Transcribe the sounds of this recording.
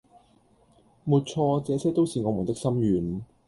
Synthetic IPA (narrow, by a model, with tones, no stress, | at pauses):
muː˨t̚t͡ʃʰɔː˧t͡sɛː˨˧t͡sʰɛː˥t̪o˥wsiː˨˧ŋɔː˨˧mu˨˩nt̪ɪ˥k̚sɐ˥mjyː˨˧n